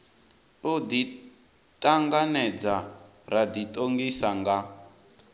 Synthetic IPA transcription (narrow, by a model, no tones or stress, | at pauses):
ud̪i | tʼaŋɡanɛd͡za | ɾad̪itʼoŋɡisaŋɡa